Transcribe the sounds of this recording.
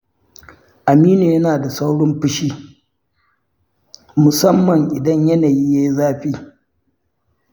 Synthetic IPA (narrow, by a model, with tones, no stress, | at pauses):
ʔa˨miː˦neː˨jɐ˦naː˨da˨sa˦wɽɔ˦mɸɪ˦ʃiː˦ | mʊ˨sɐ˦mːɐ˨ŋʔɪ˨dɐ˦ɲjɐ˦naː˨jiː˦je˦zaː˦ɸiː˦